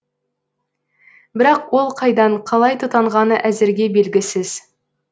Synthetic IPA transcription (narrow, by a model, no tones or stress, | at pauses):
bɪɾɑqwo̞lˠqʰɑjd̪ɑɴqʰɑlˠɑjt̪ʰʊt̪ɑɴʁɑnəʔæzɪɾɡʲe̞be̞lɡʲɪsɪz̥